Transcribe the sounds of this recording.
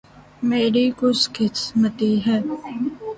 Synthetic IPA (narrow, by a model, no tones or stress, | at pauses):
meːɾikʊskɪsmət̪iɦɛː